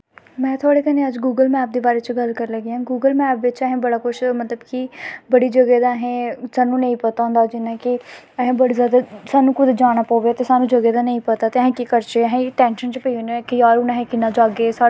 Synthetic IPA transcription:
mɛ̃ːt̪ʰʊaːɽeːkənẽəd͡ʒɡuːɡəlmɛːp̚d̪eːbaːɾeːt͡ʃɡəlkəɾləɡeãːɡuːɡəlmɛːpʋɪt͡ʃəɦẽːbəɽaːkʊt͡ʃʰmət̪ləbkibəɽiːd͡ʒəɡɛd̪aːəɦẽːsaːnũːnə̃ĩːpət̪aːʊ̃ːnd̪aːd͡ʒɪnãːkɪ | əɦẽːbəɽizjaːd̪asaːnũːkʊd̪d͡ʒaːɽ̃aːpɔːʋet̪esaːnũːd͡ʒəɡed̪aːnəĩːpət̪aːt̪eəɦẽːkikəɾt͡ʃeːəɦẽːʈɛ̃ːnʃənt͡ʃpəinekiaːɾʊnaɦẽkɪnaːd͡ʒaːɡeːsaː

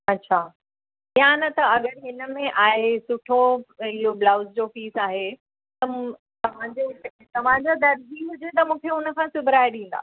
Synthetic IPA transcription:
ɐtːɕʰaː | ijãnɐt̪ɐɐɠəɽɦɪnə̆mẽʔaːɦesʊʈʰoɪɦoblaːʊsd͡ʑofiːsaːɦe | t̪ɐ | t̪ɐʋ̤ãɲd͡ʑe | t̪ɐʋ̤ãɲd͡ʑad̪ɐɾd͡ʑiɦʊd͡ʑet̪ɐmũːkʰeʊnə̆kʰãsʊbʱɪɾaːɪɗĩːn̆d̪a̰ː

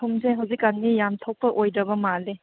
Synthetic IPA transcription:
uŋzeɦawzikːannijamt̪ʰow̚pːɐʔojdɐbɐmale

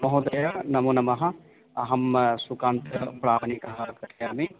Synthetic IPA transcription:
mɐɦud̪ɐjɐnɐmuːnɐmɐɦɐ̆ | ɐɦɐmsukãːnt̪ɐpɾaːʋɐnikɐɦɐkɐʈjaːme

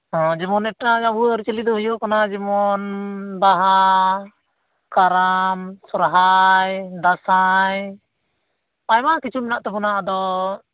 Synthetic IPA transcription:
ɦɔ̃d͡ʒɛmɔnɛʈːad͡ʒabuɾt͡ʃilid̪ɔɦujɔkanad͡ʒɛmɔnbaɦa | kaɾamsɔɾɦajd̪asaj | pajmakit͡ʃumnaʔt̪ɛbɔnaʔad̪ɔ

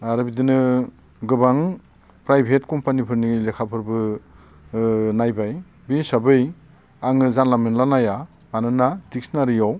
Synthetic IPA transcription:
aɾɯbidinɯ | ɡɯbaŋ | pɾajbʱetkɔmpanipʰɯɾnilekʰapʰɯɾbɯ | najbaj | bisabɯj | aŋɯzanlamenlanaja | anɯnadik̚snaɾijaw

